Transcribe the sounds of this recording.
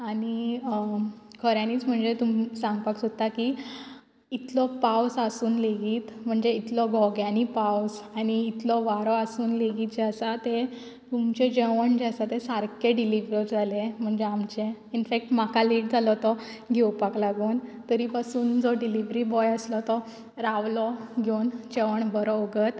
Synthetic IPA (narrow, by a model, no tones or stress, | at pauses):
ani | kʰəɾjãniːt͡sm̤əɳd͡zet̪umsãŋɡpaksot̪t̪ːaki | it̪lɔpawsasuːnleɡiːt̪m̤əɳd͡zeit̪lɔɡʱɔɡjãnipawsaniːt̪lɔʋaɾɔasuːnleɡiːt̪d͡ʑasat̪e | t̪umt͡ɕed͡ʑeʋəɳd͡ʑasat̪esaɾkeɖiliʋɾɔɾd͡zʱalem̤əɳd͡zeamt͡ɕeinfek̚ʈm̤akaliːʈ̚d͡zʱalɔt̪ɔ | ɡʱewpaklaɡuːnt̪əɾipasuːnd͡zɔɖiliʋɾibɔjəslɔt̪ɔ | ɾaʋlɔɡʱjont͡ɕeʋəɳbəɾɔːɡət̪